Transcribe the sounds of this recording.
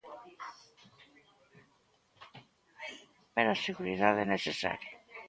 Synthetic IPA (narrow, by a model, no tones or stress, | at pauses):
peɾaseɣuɾiðaðɛnesesa̰ɾja